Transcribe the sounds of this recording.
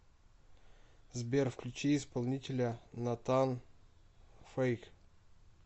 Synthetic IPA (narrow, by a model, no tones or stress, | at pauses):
zbʲerfklʲʉt͡ɕeɪspɐlˠnʲitʲɪlʲənat̪an | fejk